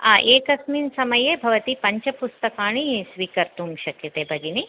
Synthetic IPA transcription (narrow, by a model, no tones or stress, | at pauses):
aʔeːkɐsminsɐmɐjeːbʱɐʋɐt̪ipɐɲt͡ʃɐpust̪ɐkaːɳ̃isʋiːkɐɾt̪umʃɐkjɐt̪eːbʱɐɡ̪ini